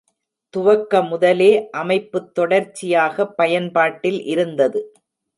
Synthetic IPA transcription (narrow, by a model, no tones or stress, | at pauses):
t̪ʊʋɐkːɐmʊðɐleːʔɐmɐɪpːɯt̪ːɔɽɐɾt͡ʃːɪjaːɣɐpːɐjɐnpaːʈːɪlʔɪɾɯnd̪ɐðɯ